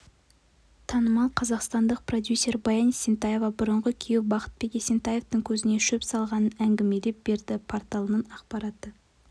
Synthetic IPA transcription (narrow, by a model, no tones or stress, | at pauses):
t̪ʰɑnəmɑlˠqʰɑzɑqst̪ɑnd̪əq̚pro̞d̪ʲjusʲːe̞ɾbɑjɑnisʲent̪ɑje̞vɑbʊɾəɴʁəkʲʰijewbɑqə̥t̪̚be̞kʲesʲent̪ɑjeft̪əŋkʲʰɵzɪne̞ʃɵpsɑlˠʁɑnənæŋɡʲɪme̞le̞p̚be̞ɾd̪ɪpʰo̞ɾt̪ɑlˠənənɑqpɑɾɑt̪ə